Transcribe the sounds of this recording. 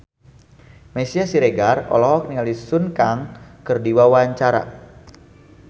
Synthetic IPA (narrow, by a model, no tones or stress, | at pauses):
mɛsiasiɾeɡarɔ̰lɔɦɔk̚niŋalisunkaŋkɨrdiwawaɲt͡ʃaɾa̰